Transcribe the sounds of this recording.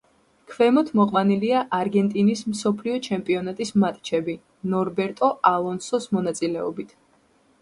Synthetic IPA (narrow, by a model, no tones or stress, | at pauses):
kʰvɛmɔt̪ʰmɔqʼwaniliaʔaɾɡɛnt̪ʼinismsɔpʰliɔt͡ʃʰɛmpʼiɔnat̪ʼismat̪ʼt͡ʃʰɛbi | nɔɾbɛɾt̪ʼɔalˠɔnsɔsmɔnat̪sʼilɛɔ̰bit̪ʰ